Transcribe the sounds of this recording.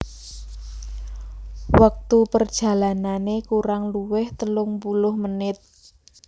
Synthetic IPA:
wak̚t̪upərd̥ʒ̥ä̤lananekuɾaŋluwɪht̪əlʊŋpulʊhmənɪt̪̚

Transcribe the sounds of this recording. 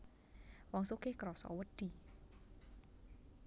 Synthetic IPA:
wɔŋsukehkɾɔsɔ̰wəd̪̥i̤

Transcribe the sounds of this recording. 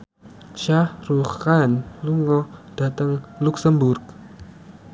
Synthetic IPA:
ʃahruχanluŋɔd̥a̤t̪əŋluksəmbʊrk̚

